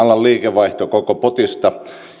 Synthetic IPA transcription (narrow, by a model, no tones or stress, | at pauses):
ɑlːˑɑlliːkeʋʋɑiht̪okokopot̪ist̪ɑ